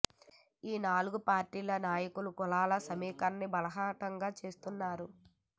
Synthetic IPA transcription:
iːnaːluɡupaːɾʈiːlɐnaːjɐkulukɔlaːlɐsɐmiːkɐnːibɐlɐɦaːʈɐŋɡaːt͡ʃe̞ːst̪unːaːɾu

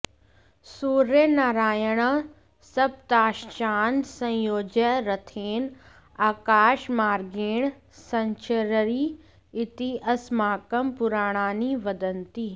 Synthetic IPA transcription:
suːɾjənaːɾaːjəɽ̃ | sɐb̚t̪aːʃt͡ʃaːnsɐ̃joːd͡ʒəɾɐt̪ʰeːn | aːkaːʃmaːɾɡeːɽ̃ | sɐ̃ɲt͡ʃəɾɾi | ɪt̪iʔɐsmaːkəmpʊɾaːɽ̃aːniʋɐd̪ənt̪iː

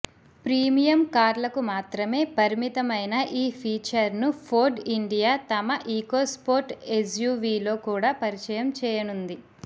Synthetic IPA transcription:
pɾiːmijɐmkaːɾlɐkumaːt̪ɾɐme̞ːpɐɾimit̪ɐmɐjnɐʔiːpʰiːt͡ʃɐɾnupʰoːɖiɳɖijaːt̪ɐmɐʔiːkoːspoːɾʈesjuːʋiːlo̞ːkuːɽaːpɐɾit͡ʃɐjɐmt͡ʃɛːjɐnund̪i

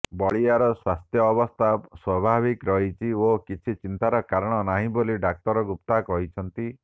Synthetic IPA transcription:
bɔɭiaɾɔswast̪ʰjɔːbɔst̪ʰaswɔbʱaβikɾɔɦit͡ʃʰiokit͡ʃʰit͡ʃint̪aɾɔkaɾɔɽ̃ɔnaɦĩboliɖak̚t̪ɔɾɔɡupt̪akɔɦit͡ʃʰɔnt̪i

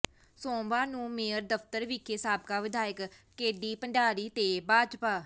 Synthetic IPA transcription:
sõːmʋaːnũːmeːəɾd̪əft̪əɾʋiːkʰesaːb̚kaːʋɪd̪aːɪkkeːɖiːpəɳɖaːɾiːt̪eːbaːd͡ʒpaː

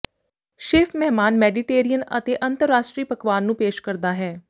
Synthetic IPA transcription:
ʃeːfʰmɛɦmaːnmɛːɖiʈeːɾijənə̰t̪eːʔənt̪əɾːaːʃʈɾiːpəkʋaːnːũːpeːʃkəɾd̪aːɦɛː

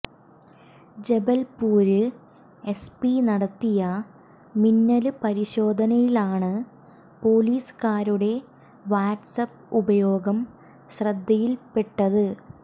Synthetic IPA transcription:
d͡ʑe̞bɐlpuːɾɨ | e̞spinɐɽɐt̪ːijɐ | minːɐlɨpɐɾiɕo̞ːd̪ʱɐnɐjilaːɳɨ | po̞ːliːsɨ̥kaːɾuɽe̞ | ʋaːʈsɐpː | ubɐjo̞ːɡɐm | ɕrɐd̪ːɐjilpe̞ʈːɐðɨ

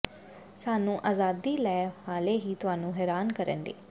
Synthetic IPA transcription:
saːnũːʔaːzaːd̪iːlɛːaːleːɦiːt̪ʊɦaːnũːɦɛːɾaːnkəɾḛ̃ːnd̪ḛː

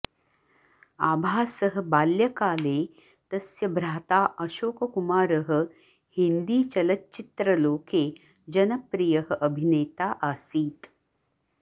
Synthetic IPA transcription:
aːbʱaːsəɦə̆baːljɐkaːleː | t̪ɐsjɐbɾaːt̪aːʔɐʃoːkəkumaːɾəɦə̆ | hind̪iːt͡ʃɐlɐtːt͡ʃit̪ɾɐloːkeː | d͡ʒɐnɐpɾijɐɦəʔɐbʱineːt̪aːʔaːsiːt̪

